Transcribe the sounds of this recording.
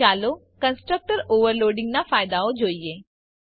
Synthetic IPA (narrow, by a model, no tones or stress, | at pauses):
aːloː | kə̃nsʈɾək̚ʈəɾoːʋəɾloːɖɪ̃ŋɡnafaːɪd̪aod͡ʒoːieː